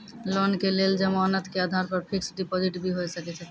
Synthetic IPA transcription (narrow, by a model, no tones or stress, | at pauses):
lɔnkeleld͡ʒəmanət̪kead̪ʱaɾpəɾpʰiksɖipɔd͡ʒiʈbʱiɦojsəkɛt͡ʃʰɛ